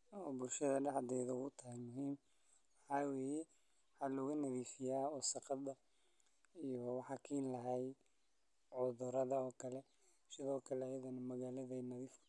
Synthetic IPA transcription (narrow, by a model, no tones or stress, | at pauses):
ɔːbʊlʃɐðɐɖɑħd̪ɛjðɐʊt̪ʰɐɦɛmʊɦiːm | ħɑːweːjɛ | wħɑːlɔɣʊnɐðiːfɪjaːɔsɑqɑd̪ɐ | ijɔwɑħɑkʰiːnlɐɦɛj | ʕʊðʊɾɐðɐɔːkʰɐlɛ | sɪðɔːkʰɐlɛːjɐðɐnɐmɐɣaːlɐðɛnɐðiːf